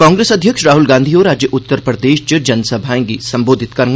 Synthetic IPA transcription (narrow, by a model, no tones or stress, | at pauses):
kãːŋɡɾeːsɐd̪ʱjəkʃɾaːɦʊlɡãːnd̪ʱiɔːɾaːd͡ʒjəʔʊt̪ːəɾpɾəd̪eːʃt͡ʃəd͡ʒɐnsɐbʱaːẽŋɡisɐ̃mboːd̪ʱɪt̪kɐɾŋ